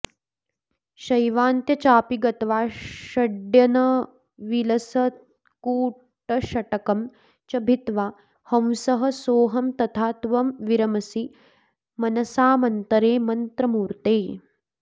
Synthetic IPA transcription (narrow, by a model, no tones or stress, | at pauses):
ʃɐjʋaːnt̪jɐt͡ʃaːpiɡɐt̪ɐʋaːʃɐɖjɐnɐ | ʋilɐsɐ | kuː | ʈɐʃɐʈɐkɐm | t͡ʃɐbʱit̪ʋaː | hɐ̃wsɐɦɐ̆soːɦɐmt̪ɐt̪ʰaːt̪ʋɐmʋiɾɐmɐsi | mɐnɐsaːmɐnt̪ɐɾeːmɐnt̪ɾɐmuːɾt̪eː